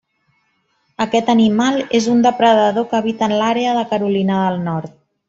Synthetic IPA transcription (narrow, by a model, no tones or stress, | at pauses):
əkɛt̪ənimalˠezund̪əpɾəðəðokəβit̪əːnlaɾeəðəkəɾulinəðəlˠnɔɾt̪̚